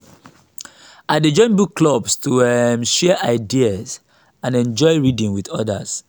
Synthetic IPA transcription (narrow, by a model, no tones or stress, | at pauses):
aded͡ʒɔ̃ɪ̃nbukːlɔbstumʃɛʔaɪdiaz | ãnɛ̃nd͡ʒɔɪɹidĩŋwiðɔda̰s